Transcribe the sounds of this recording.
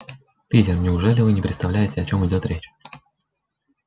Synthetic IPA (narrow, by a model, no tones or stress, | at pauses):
pʲitʲɪrnʲɪʊʐɛlʲɪvɨnʲɪpɾʲɪt̪st̪ɐvlʲæjɪtʲɪɐt͡ɕo̞mɨdʲo̞t̪ɾʲʔet͡ɕ